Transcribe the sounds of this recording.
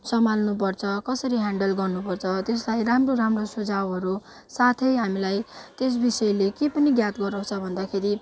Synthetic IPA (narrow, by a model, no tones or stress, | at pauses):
sʌmalnupʌrt͡sʰʌkʌsʌɾiɦaɳɖʌlɡʌrnupʌrt͡sʰʌt̪eslajramroɾamrosud͡zawɦʌɾu | sat̪ʰʌjɦamilajt̪es̬bisʌjlekepʌniɡjat̪ɡʌɾaw̃t͡sʰʌbʱʌnd̪akʰeɾi